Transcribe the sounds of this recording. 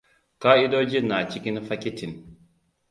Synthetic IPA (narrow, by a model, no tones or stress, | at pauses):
kaid̪od͡ʒinaːt͡ʃikinfakʲit̪ʰin